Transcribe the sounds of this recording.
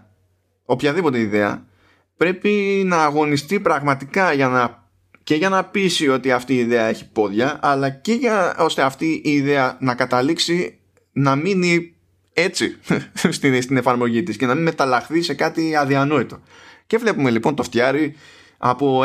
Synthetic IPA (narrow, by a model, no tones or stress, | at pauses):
o̞pçɐðipo̞t̪e̞iðe̞ɐ̰ | pɾe̞pinɐːɣo̞nist̪ipɾɐɣmɐt̪ikɐʝɐnɐ | ce̞ʝɐnɐpisio̞t̪iɐft̪iːðe̞ɐe̞çi̥po̞ðʝɐːlɐce̞ʝɐo̞st̪e̞ɐft̪iʔiːðe̞ɐnɐkɐt̪ɐliksi | nɐmini | e̞t͡sist̪ist̪ine̞fɐɾmo̞ʝit̪isce̞nɐminme̞t̪ɐlɐxθise̞kɐt̪iɐðiɐno̞it̪o̞ce̞vle̞pume̞lipo̞nt̪o̞ft̪çɐɾi | ɐ̰po̞